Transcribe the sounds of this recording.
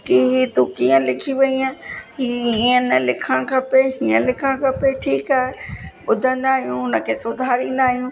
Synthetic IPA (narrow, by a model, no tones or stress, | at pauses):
kiɦit̪ukiːə̃lɪkʰiʋɐiaːɦiiiə̃nəlɪkʰə̃ɽ̃kʰãpeɦiːə̃lɪkʰəɽ̃kʰãːpeʈʰiːkaːɦe | ʊd̪ʱə̃nd̪aːɦijũʊnə̆kʰeːsʊd̪ʱaːɾĩːn̆d̪aːɦijũː